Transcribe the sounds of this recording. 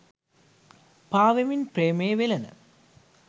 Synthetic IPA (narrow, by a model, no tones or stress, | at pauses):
paːʋɐminpreːmeːʋelɐnɐ̰